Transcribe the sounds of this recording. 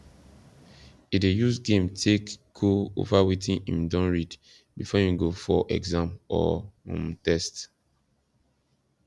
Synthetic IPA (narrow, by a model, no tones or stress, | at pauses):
idejusɡẽmtʰekɡ̥oo̰vawetĩnʔĩmdɔ̃nɹid | bifɔjĩɡofɔʔɛ̰ɡzãmɔ̰ɔ̰̃mtɛst